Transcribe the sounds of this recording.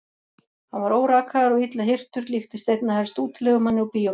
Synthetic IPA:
hanvaɾoːwɾaːkaðaɾɔit̪laɦɪr̥t̪ʏɾlixt̪ɪ̥st̪ejt̪nahast̪uːt̪lɛɣʏmanːɪupiːjɔ

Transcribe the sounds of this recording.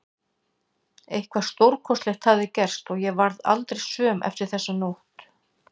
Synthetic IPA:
ejhkʰvḁst̪owɾkʰɔst̪lɛxt̪haðɪcɛr̥st̪ɔɣjɛvaɾða̰lt̪ɾejsœːmʔɛ̰ft̪ɪɾ̥θɛsːanowht̪

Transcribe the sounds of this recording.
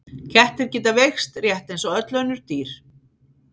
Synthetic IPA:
cʰɛht̪ɪɾ̥cɪːt̪avexst̪rjɛht̪ejnsɔœt̪lœɥnʏɾ̥t̪iːɾ̥

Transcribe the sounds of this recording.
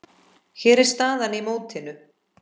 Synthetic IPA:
çɛːɾɛɾ̥st̪aːðanimoːwt̪ʰɪnːʏ

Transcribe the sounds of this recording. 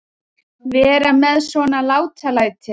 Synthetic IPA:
vɛːɾamɛðsvɔnalaːwt̪ʰalajt̪ʰɪ

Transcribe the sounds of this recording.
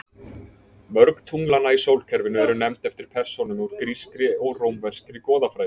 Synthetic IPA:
mœɾkt̪ʰuŋlanːaisoːwlcʰɛɾvɪnʏɛɾʏnɛmt̪ɛft̪ɪɾ̥pʰɛr̥sɔnʏmuɾ̥kɾiskɾɪɔɣroːwmvɛr̥skɾɪkɔːðafɾajɪ

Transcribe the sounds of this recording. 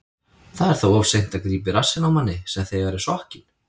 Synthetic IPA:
θaðɛɾ̥θawɔwfsejn̥t̪aðkɾiːpɪɾasːɪnawmanːɪsɛmθejɣɛɾɪsɔhcɪn̥

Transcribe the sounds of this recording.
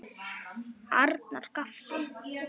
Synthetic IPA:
aɾt̪naɾ̥kaft̪ɪ

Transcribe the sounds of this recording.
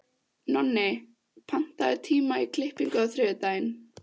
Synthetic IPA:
nɔnːɪ | pʰan̥t̪aðɪt̪ʰiːmaikʰlɪhpiŋkʏaðθɾɪːðʏt̪ajɪn

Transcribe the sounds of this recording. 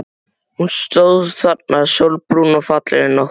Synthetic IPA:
hunst̪owðθat̪̚nasowlpɾuːnɔfat̪lɛ̰ɾɪnɔ

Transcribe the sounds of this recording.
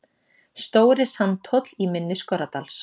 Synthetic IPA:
st̪oːwɾɪsant̪ʰɔt̪l̥imɪnːɪskɔɾat̪als

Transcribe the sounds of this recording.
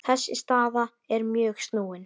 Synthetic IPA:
θɛsːɪ̰st̪aːða | ɛɾmjœːxst̪nuːɪn

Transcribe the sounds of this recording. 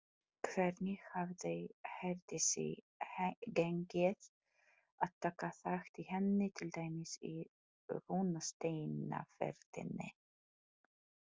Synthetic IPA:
kʰvɛɾnɪxhavðɛjhɛɾt̪ɪsɪ̰ | hɡɛŋkɪð | aðt̪ʰːaːkaθaxt̪ihɛnːɪt̪ʰɪlt̪aːjmɪsi | vunast̪ejna̰fɛ̰ɾt̪ɪ̰nɪ̰

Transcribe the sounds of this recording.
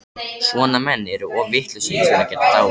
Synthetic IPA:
svɔːnamɛnːɛɾʏɔvɪht̪lʏsɛmsvɛːnacɛːt̪at̪a

